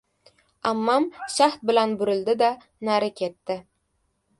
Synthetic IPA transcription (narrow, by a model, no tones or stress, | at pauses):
amːɑmʃaχt̪̚bɪlanbɵɾɪ̆ld̪ɪd̪æ | næɾɪkʲʰet̪ːɪ